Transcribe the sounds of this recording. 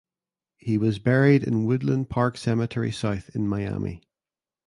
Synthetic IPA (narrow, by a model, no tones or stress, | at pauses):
hiwɒzbɛɹidɪ̰̃nwʊdˡlˠə̃npʰaɹksɛmətʰɛɹḭsaʊθɪ̃nmaɪa̰mḭ